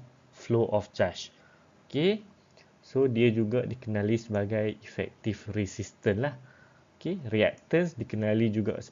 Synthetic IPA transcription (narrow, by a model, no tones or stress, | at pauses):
floʔɔft͡ʃat͡ʃ | oke | sodiəd͡ʒuɡadikənãlisəbaɡajifɛ̰k̚t̪ifrisist̪ənlah | okeriɛ̰k̚t̪ənsdikənalid͡ʒuɡa̰s